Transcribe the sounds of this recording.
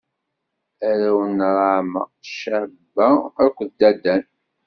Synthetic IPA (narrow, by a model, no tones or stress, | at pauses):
æɾæwənɾˤʕmæ̰ʃæbːæɾkʷːðd̪ːæd̪æn